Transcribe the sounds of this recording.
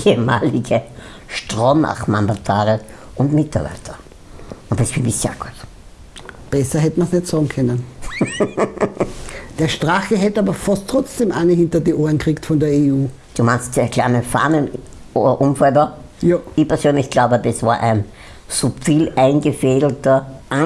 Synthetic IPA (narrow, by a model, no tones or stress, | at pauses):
ʔeəma̰ːlɪɡə | ʃtʁoma̰χmandatʰaːʁə | ʔʊntmɪtaɐbæ̰ɪtʰɐ̥ | ʔʊntːɛsfɪndɪç̥a̰ːkɔt | b̥ɛsɐɦɛtəmansnɛtsɑːɡŋ̩kʰœnən | d̥eːɐʃtʁaxəɦɛtəaːbɐfastʰʁ̥ɔt͡sd̥eːmʔanəhɪntɐdiʔoːɐnkʁ̥iːktfɔndeːɐeuː | d̥uːmaɪnstdeːkʰlaɪnəfa̰ːnən | o̰dɐʔʊmfɛlbɐjɪçpʰɛɐsøːnlɪçɡ̥laʊbədɛsv̥aːɐʔæ̰ɪn | supfiːlʔæɪnɡəfeːdl̩tɐʔa